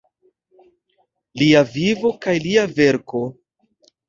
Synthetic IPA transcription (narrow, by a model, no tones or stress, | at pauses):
liavivo̞kajliave̞ɾko̞